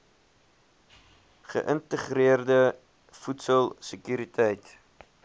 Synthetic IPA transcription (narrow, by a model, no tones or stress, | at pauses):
χə̰ʔəntəχriərdə | futsəlˠsəkyːɾitʰɛjt